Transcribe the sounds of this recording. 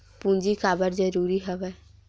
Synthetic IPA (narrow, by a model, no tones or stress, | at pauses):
pũːnd͡ʒikaːbəɾd͡ʒəɾuːɾiɦɛʋɛː